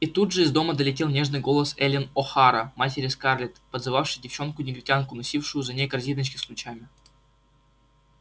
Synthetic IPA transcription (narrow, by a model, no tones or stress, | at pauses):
it̪ud̪ʐəizd̪oməd̪əlʲɪtʲelˠnʲe̞ʐnɨjɡo̞lˠəsɛlʲɪnoxɑɾɐmatʲeɾʲɪskarlʲɪt̪pəd̪zɨvafʂɨjdʲɪft͡ɕo̞nkʊnʲɪɡʲɾʲɪkʲankʊnɐsʲifʂɨjʊzɐnʲeɡɐrzʲid̪ət͡ɕʲkʲɪslʲˠʊt͡ɕamʲɪ